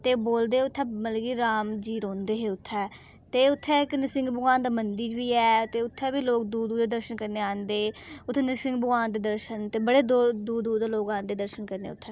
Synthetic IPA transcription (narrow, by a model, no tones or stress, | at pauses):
t̪eːboːld̪eːʊt̪ʰːɛːməlɡiːɾaːmd͡ʒiːɾõːnd̪eːɦeːʊt̪ʰːɛː | t̪eːʊt̪ʰːɛːɪknəsɪ̃ŋɡbʊɡãːnd̪aːmənd̪iːd͡ʒbiːɛːt̪eːʊt̪ʰːɛːbiːloːk̚d̪uːd̪uːd̪d̪eːd̪əɾʃənkəɾneːãːnd̪eːʊt̪ʰːenəsɪŋɡbəɡãːnd̪eːd̪əɾʃənt̪eːbəɽeːd̪oːd̪uːd̪uːd̪eːloːkãːnd̪eːd̪əɾʃənkəɾnḛːʊt̪ʰːɛː